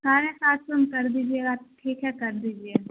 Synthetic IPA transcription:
saːɾẽsaːt̪sɐmkɐɾd̪iːd͡ʒieaːʈʰiːkjɛkɐɾd̪iːd͡ʒie

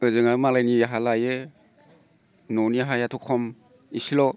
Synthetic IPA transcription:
ɯzɯŋamalajnijaɦalajɯ | nɔniaɦajatʰɔkʰɔm | isilɔ

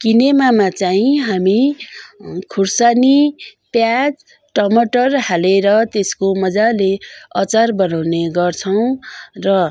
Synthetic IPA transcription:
kinemamat͡saĩɦami | kʰursanipjad͡z | ʈʌmʌʈʌrhaleɾʌt̪eskomʌd͡zaleʌt͡sarbʌnawneɡʌrt͡sʰʌw̃rʌ

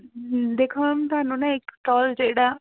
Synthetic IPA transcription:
d̪eːkʰomt̪ʊɦaːnũːnãɪkʈɔːld͡ʒeːɽaː

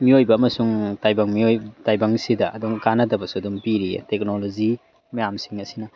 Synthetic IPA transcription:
miojbɐːmɐsuŋtajbɐŋmiojtajbɐŋsidɐʔɐduŋkanɐtɐbɐsuɐdumpiɾḭtek̚nolozi | mɐjamsiŋɐsinɐ

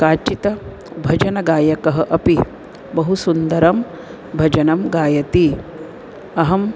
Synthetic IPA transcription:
kaːt͡ʃit̪ɐ | bʱɐd͡ʒɐnɐɡaːjɐkɐɦɐʔɐpi | bɐɦusund̪ɐɾɐm | bʱɐd͡ʒɐnɐmɡaːjɐt̪i | ɐɦɐm

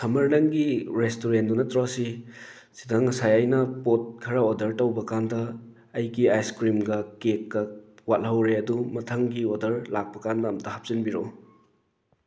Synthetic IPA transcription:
sɐmɐɾnɐŋɡiɾestoɾendunɐtɾosi | sidɐŋːɐsajɐjnɐpot̚kʰɐɾɐodɐɾtɐwbɐkandɐː | jɡiajskɾimɡɐkekːɐwat̚lhɐwɾeɐdumɐtʰɐŋɡiodɐɾlak̚pɐkandɐːmɐtɐhɐp̚zinbiɾo

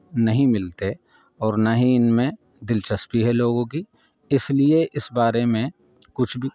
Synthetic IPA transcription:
nɐɦĩmɪlt̪e | ɔːɾnaɦĩɪnmẽ | d̪ɪlt͡ʃɐspiɦɛloːɡõki | ɪslieʔɪsbaːɾemẽ | kʊt͡ʃʰbʱi

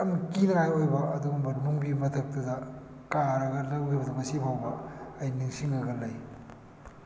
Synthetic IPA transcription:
ɐmkinɐajojbɐɐduɡumbɐɾmuŋbimɐtʰɐk̚tɐdɐ | kaɾɐɡɐlɐwijbɐdɐmɐsipʰawbɐːjniŋsiŋɾɐɡɐlɐj

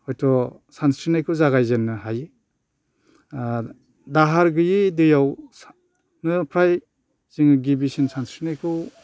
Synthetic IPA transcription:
hɔjtʰɔ | sansɾinajkʰɯwzaɣajzenːɯɦaji | daɦaɾɡɯjidɯjaws | nɯpʰɾaj | z̥iŋɯɡibisinsansɾinajkʰɯw

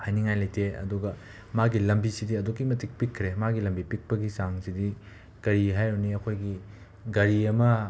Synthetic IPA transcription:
hajniŋajlɐjteɐ̰duɡɐ | maɡilɐmbisidiɐdokːimɐtik̚pikʰːɾemaɡilɐmbipik̚pɐɡisaŋsidi | ɡ̥ɐɾiɦajɾoniɐkʰojɡi | ɡɐɾiɐmɐ

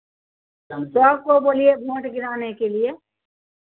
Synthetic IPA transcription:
ɐmsoaːb̚koboːliemoʈɡɪɾaːnekelie

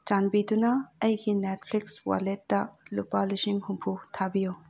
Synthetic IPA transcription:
t͡ʃanbit̪unaɐjkʰinɛtpʰlikswa̰letːɐlupalusiŋhumpʰut̪ʰabijo

